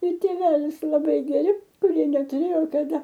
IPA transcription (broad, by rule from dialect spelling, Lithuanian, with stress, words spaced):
ɪr tʲeːˈʋʲæːlʲɪs lˠɐˈbɐɪ ɡʲɛˈrʲɪ kʊˈrʲiɛ nʲɛtʊˈrʲeːjoː kɐˈdɐ